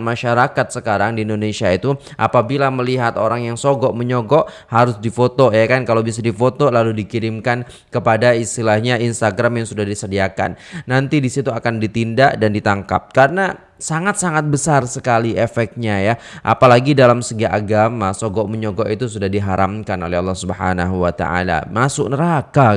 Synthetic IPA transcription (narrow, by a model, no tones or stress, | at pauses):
maʃaɾakat̪̚səkaɾaŋdiːndonesiait̪u | ʔa̰pabilaməliɦat̪oɾaŋjaŋsoɡɔʔməɲɔɡɔʔ | haɾʊsdifot̪ojakankalawbisadifot̪olaludikiɾɪmkan | kəpadaist̪ilahɲainst̪aɡɾamjaŋsudahdisədiaka̰nːant̪idisit̪uakandit̪indaʔdandit̪aŋka̰p̚kaɾəna | saŋat̪̚saŋat̪̚bəsarsəkaliʔefɛk̚t̪̚ɲajaʔa̰palaɡidalamsəɡaʔaɡamasoɡɔʔməɲɔɡɔʔit̪usudahdiɦaɾʔamkano̰lɛɦɑlːɑhsubəhanaɦuwat̪a̰a̰la̰masʊk̚nəɾaka